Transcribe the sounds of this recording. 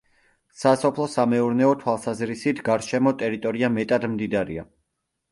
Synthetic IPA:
sasɔpʰlˠɔsamɛuɾnɛɔt̪ʰwalˠsazɾisit̪ʰɡaɾʃɛmɔt̪ʼɛɾit̪ʼɔɾiamɛt̪ʼad̪md̪id̪aɾḭa̰

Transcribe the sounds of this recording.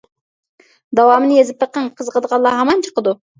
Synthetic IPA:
d̪ɑwɑmnɪjezɪp̪̚ɑq̚ːɑnqʰəzqəd̪ʁɑlˠːɑɦɑmɑnt͡ʃʰə̥qəd̪u

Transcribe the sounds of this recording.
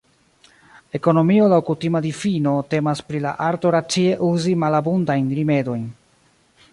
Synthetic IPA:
e̞ko̞no̞mio̞lawkutimadifino̞te̞maspɾila̰ʔaɾto̞ɾat͡sie̞ʔuzimalabundajnɾime̞do̞jn

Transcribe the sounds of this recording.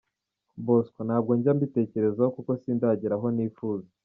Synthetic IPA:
boskwonhaːb̚ɡo̞ɲɟambite̞ːce̞ɾe̞zahokuko̞siːndaɟiɾaɦo̞niːfuːza

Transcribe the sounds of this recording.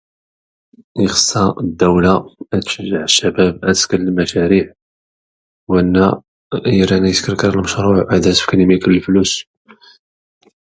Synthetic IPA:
jəxə̥sːɑd̪ːæwlaæt̪ʃəʒːəʕəʃːæbæb̚æt̪ə̥skəlːəlmæʃæɾiʕ | wænːæ | jəɾænæjəskəɾkəɾˤəlməʃɾˤʊʕʔəd̪æsfknimikələlflus

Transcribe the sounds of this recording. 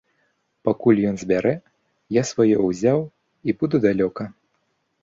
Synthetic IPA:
pakulʲjɔnzʲbʲaɾɛ | jasvajɔwzʲaw | ibud̪ud̪alʲɔkɐ

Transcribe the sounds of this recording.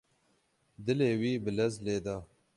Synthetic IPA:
d̪ɨleːwiːbɨlɛzleːd̪ɑː

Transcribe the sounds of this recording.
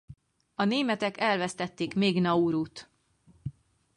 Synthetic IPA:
ɒneːmɛt̪ɛkɛlvɛst̪ɛt̪ːeːkmeːɡnɒuɾut̪

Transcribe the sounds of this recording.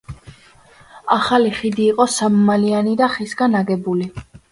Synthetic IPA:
aχaliχid̪iːqʼɔsammalianid̪aχisɡanaɡɛbuli

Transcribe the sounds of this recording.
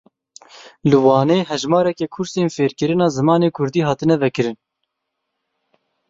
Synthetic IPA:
lɨwɑːneːɦɛʒmɑːɾɛkɛkʰʊɾseːnfeːɾkɨɾɨnɑːzɨmɑːneːkʰʊɾd̪iːɦɑːt̪ɨnɛvɛkɨɾɨn

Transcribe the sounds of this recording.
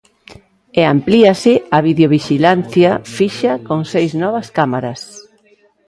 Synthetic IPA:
eampliasɪaβiðeoβ̞iʃilan̟θjafiʃɐkoŋsejznɔβ̞ɐskamaɾɐs

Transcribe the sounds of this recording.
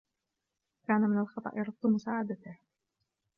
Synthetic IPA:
kaːnamɪnalxɑt̪ˤɑ̰ʔjɑɾˤʊd̪ːʊmʊsaːʕad̪at̪ɪh

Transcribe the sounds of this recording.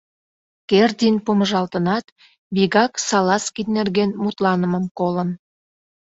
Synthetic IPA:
kerd̪ʲinpoməʒɑlt̪ənɑt̪ | βiɣɑksɑlɑskinnerɣenmut̪lɑnəməmkolən

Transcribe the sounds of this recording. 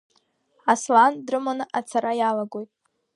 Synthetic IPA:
aslandrɨmanɨʔat͡sʰaɾajalaɡo̞jtʼ

